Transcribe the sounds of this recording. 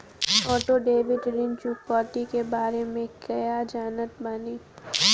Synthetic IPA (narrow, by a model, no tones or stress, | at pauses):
ɔːʈoɖeːʋɪɖɪɾɪnt͡ʃukɔːt̪ikebaːɾemẽkɐjad͡ʒaːnət̪̚baniː